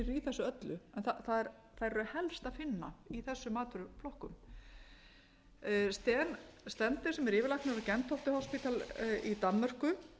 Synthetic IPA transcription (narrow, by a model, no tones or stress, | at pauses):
ɾiθɛsːʏœt̪lʏɛnθaθaðɛɾ | θaɛrhɛlst̪aðfɪnːaiθɛsːʏmaːt̪ɾʏflɔhkʏm | st̪ɛːnst̪ɛnt̪ɪ̥sɛmɛɾɪːvɪɾlahknɪɾɾcɛnt̪hɔft̪ɪhɔspit̪alit̪amːɛr̥kʏ